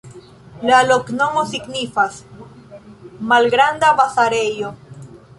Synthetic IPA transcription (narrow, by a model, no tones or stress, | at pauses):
laloknoŋosiɡnifas | malɡɾand̪aβasaɾejo